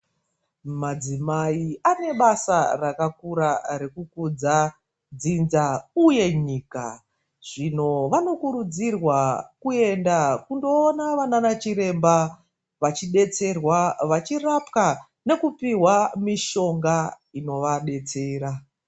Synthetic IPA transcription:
mad͡zimaiane̞ɓasarakakuɾaɾe̞kukud͡za | d͡zinzauje̞ɲiːka̰ | ʐ̥ino̞ʋano̞kuɾud͡zirwakue̞ndakundo̞ːnaʋananat͡ʃiɾe̞mba | ʋat͡ʃiɗe̞t͡se̞rwaʋat͡ʃirapka | ne̞kupiɦwamiʃo̞ŋɡa | ino̞ʋaɗe̞t͡se̞ːɾa

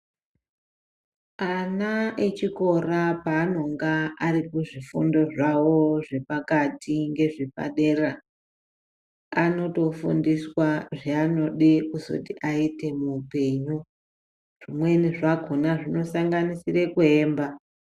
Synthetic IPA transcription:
anaet͡ʃiko̞rapaːno̞ŋɡaarikuʐifundo̞ʐawo̞ʐe̞pakatʰiŋɡe̞ʐepa̰ɗe̞ra | ano̞to̞fṵndiswaʐeano̞ɗikuzo̰tiʔaite̞muːpe̞ɲu | ʐ̥imwe̞niʐako̞naʐino̞saŋɡanisire̞kue̞ːmba

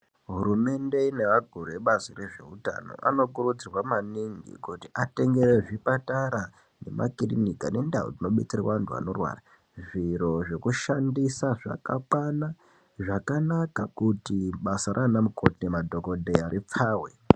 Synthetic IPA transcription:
ɦuɾume̞nde̞ineʋaɡʱuɾueɓazire̞ʐe̞̰uta̰no̞̰ʔa̰no̞kuɾud͡zirwamaniŋɡḭkutiʔate̞ŋɡe̞ɾeʐipataɾa | ne̞̰mʔa̰kirinikane̞ndao̰d͡zino̞ɓet͡sirewaantʰua̰no̞rwa̰ra | ʐiɾo̞ʐe̞kuʃandisaʐa̰ka̰kwana | ʐakanakakutiɓasaɾʔanamukʰotnemadʱo̞ko̞dʱeaɾip͡faːwe

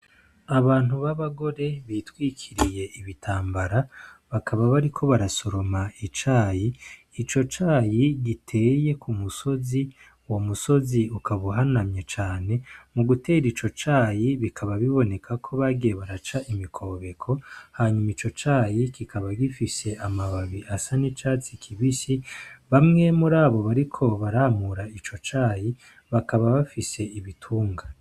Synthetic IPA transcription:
aβaːn̥huβaβaɡo̞ɾe̞βitwiːkʰiɾije̞iβitʰaːmbaɾaβakʰaβaβaɾikʰo̞βaɾaso̞ɾo̞mait͡ʃaːjiː | t͡ʃo̞t͡ʃaːjiɡitʰe̞ːje̞kʰumuso̞zi | wo̞muso̞ziukaβuɦanamɲet͡ʃaːne̞muɡute̞ːɾit͡ʃo̞t͡ʃaːjiβikʰaβaβiβo̞ne̞kʰakʰo̞βaɡijeβaɾat͡ʃaʔimikʰo̞βe̞kʰo̞haːɲumit͡ʃo̞t͡ʃaːjikikaβaɡifise̞amaβaβiasanit͡ʃaːt͡sikʰiβisiβamŋe̞muɾaːβo̞βaɾikʰo̞βaɾamuɾait͡ʃo̞t͡ʃaːji | βakaβaβafise̞iβitʰuːŋɡa

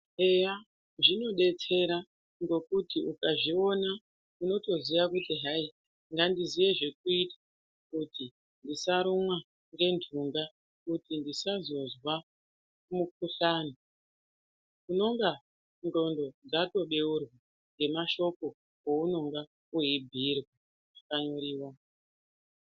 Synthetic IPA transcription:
eja | ʐino̞ɗe̞t͡se̞ɾa | ŋɡo̞kutiʔukaʐio̞na | uno̞to̞ziʋakutiɦai | ŋɡandiziʋe̞ʐe̞k̚uitḁ | kuti | ndisaɾumwa | ŋɡe̞ndʰuŋɡa | kutindisazo̞zwa | mukuɬaːno | uno̞ŋɡa | nro̞ndo̞d͡zato̞ɓe̞urwa | ŋɡe̞maʃo̞ko̞ | ouno̞ŋɡa | uibʱirwa | ʐakaɲo̞ɾiːwa

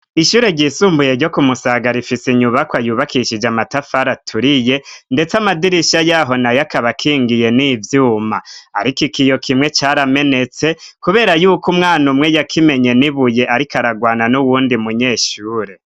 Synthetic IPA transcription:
iʃuːɾe̞ɾɟiːsuːmbuje̞ɾɟo̞kumusaɡaɾifiseɲuβakwajuːβakiʃid͡ʒamatafaɾatʰuɾije̞nde̞t͡samadiɾiʃajaɦo̞najakaβakʰiːŋɡije̞nivjuːmaaɾikikijo̞kʰimŋe̞t͡ʃaɾame̞ne̞t͡se̞kuβe̞ːɾajuːkumŋaːnumŋe̞jakʰime̞ɲe̞niβuje̞ʔaɾikaɾaɡwaːnanuwuːndimuɲe̞ːʃuːɾe̞

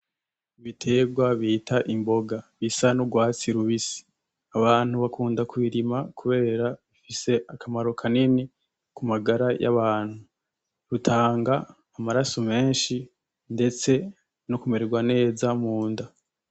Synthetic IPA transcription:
βitʰe̞ɡɡwaβitʰaʔimbo̞ɡaβisanuɡwaːt͡siɾuβisi̥ | aβaːn̥uβakʰuːndakuiɾimakuβe̞ːɾaβifise̞ʔakamaɾo̞kʰanini | kumaɡaɾajʔa̰βaːnhu | ɾutʰaːŋɡaː | maɾasome̞ːnʃi | nde̞t͡se̞ | nokumeɾeɡwane̞ːzamuːnda

